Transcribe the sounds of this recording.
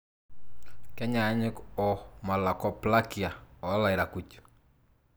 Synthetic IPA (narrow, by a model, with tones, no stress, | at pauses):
kɛ˦ɲaː˨˦ɲɪ˦kɔ˨ma˨la˨kɔ˨pla˦ki˨a˨ɔ˨˦la˨ɪ˨ɾa˨ku˨t͡ʃ